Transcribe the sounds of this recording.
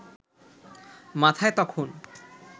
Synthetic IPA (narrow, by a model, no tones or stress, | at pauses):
mat̪ʰaet̪ɔkʰon